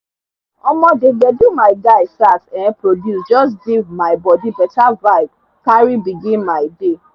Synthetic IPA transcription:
ɔmɔ̃d͡ʒed͡ʒɛdumaɪɡaɪsaksɛ̃ɛ̃pɾodjusd͡ʒɔsɡivmaɪbɔdibɛtavaɪb̚ | kaɾibiɡĩnmaɪde

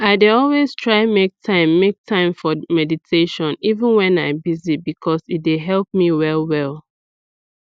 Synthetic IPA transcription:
aɪdeɔlwez̥tʰɹ̥aɪmek̚tʰãɪ̃mːek̚tʰãɪ̃ɱfɔmɛditʰeʃɔ̃nivə̃nwɛ̃naɪbizibikʰɔsit̚deɦɛlˠp̚miwɛlwɛlˠ

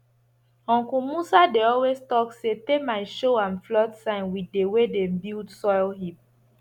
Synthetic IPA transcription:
hɔ̃ŋkumusadeɔlwestɔksetemaɪʃoãnflɔtsãɪ̃nwidewedẽmbildsɔjlɦip̚

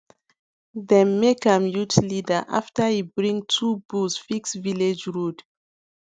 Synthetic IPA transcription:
ðɛ̃nmːekãmjutlidəʔa̰ftəibɹĩŋtʰubusfiksviled͡ʒɹud

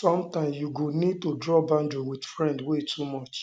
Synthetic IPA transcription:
sɔ̃mtãɪ̃msjuɡonid̚todɹɔbãndɹiwid̥fɹɛ̃ndwetʰumɔt͡ʃ

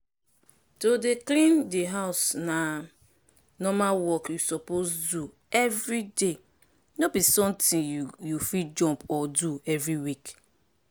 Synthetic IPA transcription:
todeklĩndeɦaʊsna | nɔmawɔkjusɔposdu | ɛvɹide | nobisɔ̃mtĩnjufid͡ʒɔ̃mpɔduɛvɹiwik

